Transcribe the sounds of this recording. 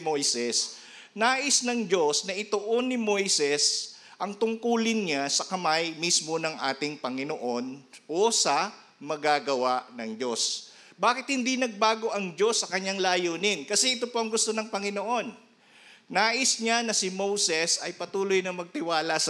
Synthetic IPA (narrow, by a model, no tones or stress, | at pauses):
mojsɛs | naːʔɪsnɐŋd͡ʒo̞snɐʔɪt̪oʔo̞nːɪmo̞jsɛs | ʔɐŋt̪ʊŋkuːlɪnɲasɐkɐmajmismo̞nɐŋʔa̰ːt̪ɪŋpɐŋɪnoʔo̞nʔosɐ | mɐɡaɡɐwaʔnɐŋd͡ʒo̞s | baːkɪt̪̚hɪnd̪inɐɡ̚baːɡo̞ʔɐŋd͡ʒo̞sːɐkɐɲːaŋlaːjoːnɪnkɐsɛʔɪt̪o̞po̞ʔɐŋɡʊst̪o̞nɐŋpɐŋɪnoʔo̞nː | aːʔɪsɲanɐsɪmo̞wsɛsɐjpɐt̪uːlojnɐmɐɡ̚t̪ɪwaːlɐs